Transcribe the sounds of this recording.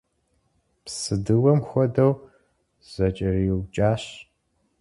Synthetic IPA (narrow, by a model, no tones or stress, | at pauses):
psɨdɨwɐmxʷɔdɐw | z̥ɐt͡ʃʼɪriwt͡ʃʼaːɕ